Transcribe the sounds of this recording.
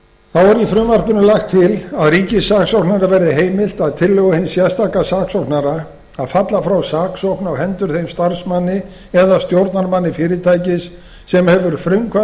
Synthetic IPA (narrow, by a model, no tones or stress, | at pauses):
θawaɾifɾʏmvar̥kʏnʏlaxt̪ʰːɪlaðriːcɪsːaksɔwknaɾavɛɾðɪɦeːjmɪl̥t̪aðt̪ʰɪlːœɣʏhɪnsjɛðst̪ʰakasaːksɔwknaɾa | aðfat̪lafɾawsaːksowknawɦɛnt̪ʏɾ̥θejmst̪aɾsmanːɪ | ɛðast̪jowɾt̪̚naɾmanːɪfɪːɾɪt̪ʰaːjcɪsː | ɛmhɛvʏɾfɾʏŋkʰva